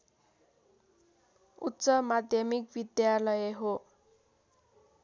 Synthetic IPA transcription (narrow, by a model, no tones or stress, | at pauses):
utːsʌmad̪ʱjʌmikbid̪jalʌjeɦo